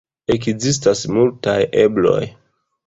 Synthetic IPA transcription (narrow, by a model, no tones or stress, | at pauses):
ekzis̬tasmultajeblo̞̰j